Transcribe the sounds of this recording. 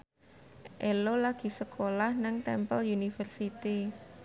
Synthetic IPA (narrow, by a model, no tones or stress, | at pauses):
ʔelolaɡ̥i̤səkʰolahnɪŋt̪ɛmpəljunifərsit̪i